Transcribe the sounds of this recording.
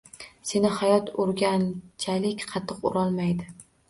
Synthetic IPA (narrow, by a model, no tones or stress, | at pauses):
se̞nɪhajɒt̪ʰoɾɡʲant͡ʃʰalɪkʲqʰɑt̪ʰːɨqʊ̰ɾɒlˠmajd̪ɪ